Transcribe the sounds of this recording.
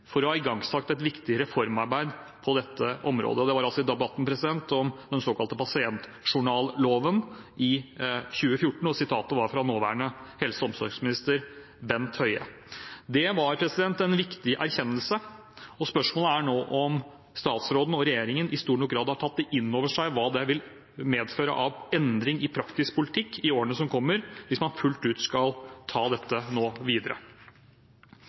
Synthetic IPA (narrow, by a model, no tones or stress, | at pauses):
fɔɾɔhɑːɪɡɑŋsɑk̚t̪ɛt̪ʋɪkt̪ɪɾɛfɔɾmɑɾbæɪd̪ | pʰɔd̪ɛt̪ʰːəʔɔmɾo̰ːd̪əɔd̪ɛʋɑɾɑlsɔɪd̪ɛbɑt̪ːn̩pʰɾɛsɪd̪ɛnt̪ɔmd̪ɛnsoːkɑlt̪əpʰɑsɪɛnt̪ʂʊɳɑːlloːʋənʔɪçʉːəfjʊʈːɳ̩ɔsɪt̪ʰɑːt̪əʋɑɾfɾɑnoːʋæ̰ːɳəhɛlsəɔmsɔɾksmɪnɪst̪əɾ | bɛnt̪hœʏə̰ | d̪ɛʋɑɾpʰɾɛsɪd̪ɛnt̪ɛnʋɪkt̪ɪʔæɾçɛnːəlsə | ɔspœʂmoːləæɳoːʔɔm | st̪ɑːt̪sɾoːd̪n̩ɔɾɛjeːɾɪŋənɪst̪uːɳɔk̚ɡɾɑːd̪hɑʈʰɑt̪̚d̪ɛʔɪnːoːʋəʂæɪʋɑːd̪ɛʋɪl | meːd̪føːɾə̰ʔɑʋɛnd̪ɾɪŋɪpʰɾɑkt̪ɪskpʰʊlɪt̪ʰɪkːɪoːɾənəsɔmkʰɔmːəɾʋɪsmɑnfʉlt̪ʉːt̪skɑlt̪ʰɑːd̪ɛt̪ːənoːʋiːd̪əɾə̰